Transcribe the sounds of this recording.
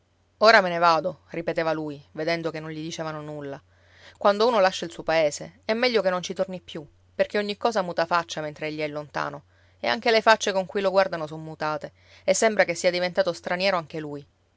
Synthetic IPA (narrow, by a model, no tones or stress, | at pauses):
oːɾamenevaːd̪oripet̪eːvaluːjved̪ɛnd̪okenːõɲʎid̪it͡ʃɛːvanonulːa | kwand̪ouːnolaʃːailsuːopaeːseɛmːɛʎːokenːont͡ʃit̪ornipːju | perk̟eoɲːikːɔːzamuːt̪afat͡ʃːament̪ɾeeʎːiɛlːont̪a̰ːno | ḛa̰ŋk̟elefat͡ʃːekoŋkujloɡward̪anosommːut̪aːt̪e | esːembɾakesːiad̪ivent̪aːt̪ost̪ɾanjɛːɾoaŋk̟eluːj